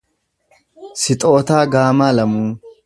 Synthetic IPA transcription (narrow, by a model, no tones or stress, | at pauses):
sɪt̪ʼoːt̪aːɡaːmaːlɐmuː